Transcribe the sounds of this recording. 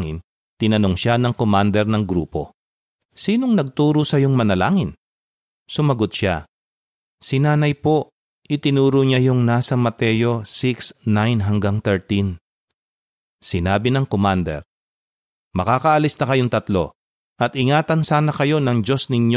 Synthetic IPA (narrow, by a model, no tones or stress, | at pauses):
ŋɪ̰n | t̪ɪnɐnoŋʃanɐŋkomand̪ɛɾnɐŋɡɾṵːpo̞̰ | siːno̞ŋnɐɡ̚t̪uːɾusɐjoŋmɐnɐlaːŋɪn | sʊmɐɡot̪̚ʃa̰ | sɪnaːnɐjpo̞ | ʔɪt̪ɪnuːɾʊɲajʊŋnaːsɐmɐt̪ɛːjo̞siksnajnɦɐŋɡaŋt̪ɛɹt̪in | sɪnaːbɪnɐŋkomand̪ɛ̰ɾ | mɐkaːkɐʔɐlisnɐkɐjoŋt̪ɐt̪lo̞̰ | ʔɐt̪ɪŋaːt̪ɐnsaːnɐkɐjo̞nɐŋd͡ʒo̞snɪɲo